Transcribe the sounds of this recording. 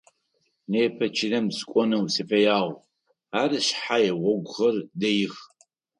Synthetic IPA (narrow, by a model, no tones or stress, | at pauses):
neːpʰɐt͡ʃʰɪnɐmskʷʼɔnɐwsɨfɐjaːʁʷ | aːɾɨɕħajɛʁʷɔɡʷʊχɐrdɐjɪx